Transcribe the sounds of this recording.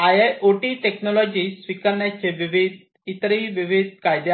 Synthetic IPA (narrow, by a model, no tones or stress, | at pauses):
ajaʔoʈiːʈeknɔlɔd͡ʑiːsʋikəɾɳjat͡seʋiʋid̪ | it̪ɾiʋiʋid̪̚ʱkajd̪e